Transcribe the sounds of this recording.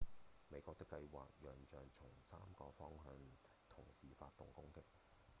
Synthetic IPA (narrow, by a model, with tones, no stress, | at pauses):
me˨˧jkʷɔː˧t̪ɪ˥kːɐ˧jwa̰ː˨k̚jœː˨ŋt͡ʃœː˨ŋt͡ʃʰʊ˨˩ŋsaː˥mkɔː˧fɔː˥ŋɦœː˧n | t̪ʰʊ˨˩ŋsiː˨faː˧t̪̚ːʊ˨ŋkʊ˥ŋt̪ɪ˥k̚